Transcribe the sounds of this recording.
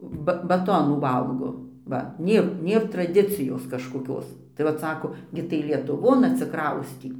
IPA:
bɐ bɐˈtoːnuː ˈʋɐlˠɡoː ˈʋɐ ˈnʲeːr ˈnʲeːr trɐˈdʲɪt͡sʲɪjoːs kɐʃkoːˈkʲoːs tɐɪ ˈʋɐt ˈsɑːkoː ˈɡʲɪ tɐɪ lʲiɛtʊˈʋoːn ɐtʲsʲɪˈkrɐʊsʲtʲiː

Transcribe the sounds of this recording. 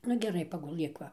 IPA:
ˈnʊ ɡʲɛˈrɐɪ pɐɡʊˈlˠɘk ˈʋɐ

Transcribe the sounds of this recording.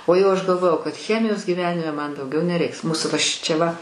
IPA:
oː ˈjɛʊ ˈɐʃ ɡɐlˠˈʋoːjɛʊ kɐt ˈxʲæːmʲɪjoːs ɡʲiːˈʋʲæːnʲɪmʲɛ ˈmɐn dɐʊˈɡʲɛʊ nʲɛˈrʲɛɪks ˈmuːsʊ ʋɐ ˈʃʲɪt͡ʃʲɛ ʋɐ

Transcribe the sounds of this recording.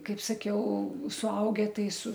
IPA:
ˈkɐɪp sɐˈkʲɛʊ sʊˈɐʊɡʲɛ ˈtɐɪ sʊ

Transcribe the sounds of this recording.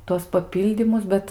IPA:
ˈtuɔs pɐˈpʲiːlʲdʲiːmʊs ˈbʲɛt

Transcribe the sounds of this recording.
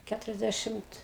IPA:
ˈkʲætʊrʲɛzʲˌdʲæʃʲɪmt

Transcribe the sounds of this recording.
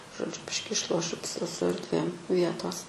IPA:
ʒoːˈd͡ʒʲʊ ˈbʲɪʃʲkʲɪ ɪʃˈlˠoːʃʲʊ ps sʊ ɐrʲdʲˈʋʲeːm ˈʋʲiɛtoːs

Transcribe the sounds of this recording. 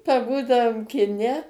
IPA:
pɐˈbuːdɐʋoːm kʲɪˈnʲɛ

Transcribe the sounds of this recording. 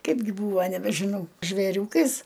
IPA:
ˈkɐɪbʲɡʲɪ ˈbuːʋɐ nʲɛbʲɛʒʲɪˈnɐʊ ʒʲʋʲeːˈrʲuːkɐɪs

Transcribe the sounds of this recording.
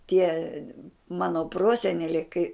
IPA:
tʲiɛ ˈmɑːnoː ˈproːsʲɛnʲɛlʲɛɪ kɐɪ

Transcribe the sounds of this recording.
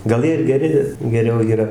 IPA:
ɡɐlˠ ˈjiɛ ɪr ɡʲɛˈrʲɪ ɡʲɛˈrʲɛʊ iːˈrɐ

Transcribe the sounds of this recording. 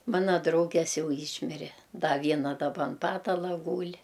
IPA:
ˈmɑːnɐ ˈdrɐʊɡʲɛs ˈjɛʊ ˈiːʃʲmʲɪrʲɛ ˈdɐ ˈʋʲiɛnɐ dɐˈbɐ ɐn ˈpɑːtɐlˠɐ ˈɡuːlʲ

